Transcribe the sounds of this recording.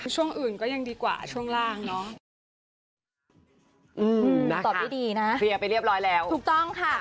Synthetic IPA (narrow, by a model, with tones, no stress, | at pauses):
t͡ɕʰu˥˩əŋʔɯː˨˩nkɔː˥˩ja˧ŋdiː˧kwa̰ː˨˩t͡ɕʰu˥˩əŋɾaː˥˩ŋnɔ˦˥ʔ | ʔɯː˧na˦˧˥tɔː˨˩dʰiː˥˩diː˧na˦˥ʔi˧ə˧pa˧jɾi˥˩əp̚ɾɔː˦˥jlɛː˦˥w̪ʰuː˨˩k̚t̪ɔ˥˩ŋkʰa˥˩